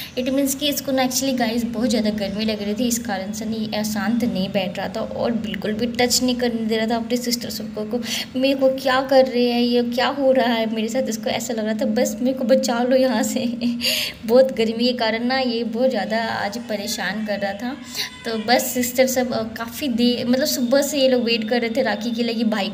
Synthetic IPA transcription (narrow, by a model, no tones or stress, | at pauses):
ɪʈmĩːnskiɪskonɛːk̚t͡ʃuəliɡaːɪzbɔːt̪zjaːd̪aɡɐɾmilɐɡɾɐɦit̪ʰiɪskaːɾənsenɐjeʔɛːsaːnt̪onɐɦĩbɛːʈʰɾaat̪ʰaʔɔ̰ːɾbɪlkʊlbʱiʈɐt͡ʃnɐɦĩkɐɾnd̪eːɾaːt̪ʰaɐpnesɪsʈəɾsɐb̚kokomeːɾkokjaːkɐɾːɐɦeɦɛ̃jekjaːɦoɾaɦaɦɛmeːɾesaːt̪ɪskoɛ̰ːsalɐɡɾaːt̪ʰabɐsmeːkobɐt͡ʃaːlojɐɦãse | bɔːt̪ɡɐɾmikekaːɾənnajebɔːt̪zjaːd̪aa̰ːd͡ʒpɐɾeːʃaːnkɐɾːɐɦat̪ʰa | t̪oːbɐsːɪst̪əɾsɐbkaːfid̪eːmɐt̪ləbsʊbasejeloːɡʋeːʈkɐɾːɐɦet̪ʰẽɾaːkikelɐɡebʱaːi